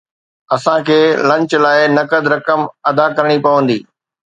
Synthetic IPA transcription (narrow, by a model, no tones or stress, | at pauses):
ɐsãkʰeːlɐ̃ɲt͡ɕlaːɪnɐkəd̪ɾɐkəmɐd̪akɐɾɽ̃ipɐʋə̃n̆d̪ḭː